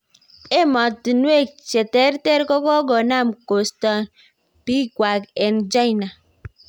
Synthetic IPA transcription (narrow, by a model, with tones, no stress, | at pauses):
e˦mɔ˨ti˨nwe˦˨t͡ʃe˨te˦ɾte˦ɾkɔ˦kɔ˦ɡɔ˨na˦˨mko˨stɔ˦n | pi˦kʷa˨ke˨nd͡ʒa˦i˨na˨